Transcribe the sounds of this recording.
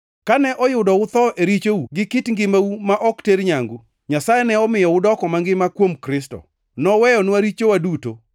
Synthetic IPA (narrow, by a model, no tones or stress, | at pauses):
kanɛʔɔjʊdɔʊt̪ɔʔeɾit͡ʃouɡɪkɪtŋɡɪmaumaʔɔkteɾɲaŋɡu | ɲasajɛnɛɔmɪjɔʊdɔkɔmaŋɡɪmakwomkɾɪstɔ̰ | nɔwɛjɔnwaɾit͡ʃowaduto̰